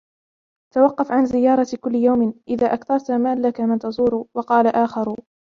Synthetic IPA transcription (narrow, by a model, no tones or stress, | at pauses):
t̪awɑqːɑfʕanzɪjːɑːɾˤɑkʊlːɪjawmɪnʔɪðaːʔakθɑɾˤt̪amaːlːakamant̪ɑzˤuːɾʊwɑqɑːlaʔaːxɑɾʊ